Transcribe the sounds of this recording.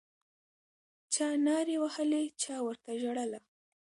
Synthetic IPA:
t͡ʃɑnɑɾewahəlet͡ʃɑwəɾt̪aʒaɽəla

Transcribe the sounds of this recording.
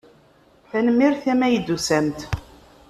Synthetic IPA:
θænəmːiɾθæmæjəd̪ːusæmt̪

